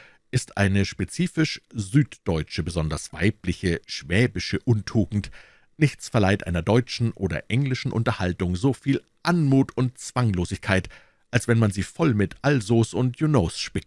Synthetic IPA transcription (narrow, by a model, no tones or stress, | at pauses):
ʔɪstʔa̰ɪnəʃpet͡siːfɪʃzyːtd̥ɔʏt͡ʃəbəzɔndɐsv̥a̰ɪplɪçəʃv̥ɛːbɪʃəʔʊntʰuːɡŋ̩t | nɪçt͡sfɛɐlaɪtʔaɪnɐdɔʏt͡ʃn̩ʔoːdɐ̰ʔɛŋlɪʃn̩ʔʊ̰ntɐhaltʊŋzoːfiːl | ʔanmuːtʰʊnt̚t͡sv̥aŋloːzɪçkʰaɪt | ʔalsv̥ɛnmanziːfɔlmɪtʔalzoːsʊntʰjunoːsʃpɪk̚t